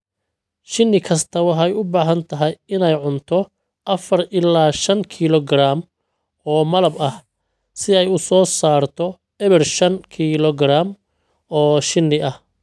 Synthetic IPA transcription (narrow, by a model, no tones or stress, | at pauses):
ʃɪnːɪkʰɐst̪ʰɐwɑħɛjʊbaːɦɐnt̪ʰɐɦɐjɪnɛjʕʊnt̪ʰɔ | ʔɐfɐrʔɪlːaːʃɐŋkʰilɔɡraːm | ɔːmɐlɐbɐh | sɪɛjʊsɔːsaːrt̪ʰɔ | ɛβɛrʃɐnkʰilɔɡraːm | ɔːʃɪnːɪʔɐh